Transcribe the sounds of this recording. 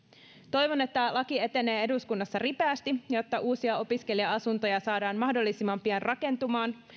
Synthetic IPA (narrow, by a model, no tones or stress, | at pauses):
t̪o̞jʋo̞ne̞t̪ːælɑkie̞t̪e̞ne̞ːe̞duskunːɑsːɑripeæst̪ijo̞t̪ːɑʔuːsiɑo̞piske̞liɑɑsunt̪o̞jɑsɑːdɑːnmɑhdo̞lːisimːɑmpiænrʔɑke̞nt̪umɑːn